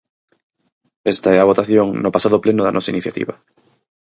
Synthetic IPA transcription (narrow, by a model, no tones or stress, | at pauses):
est̪aɛaβ̞ot̪aθjoŋnopasaðoplenʊðanʔɔsainiθjat̪ḭβɐ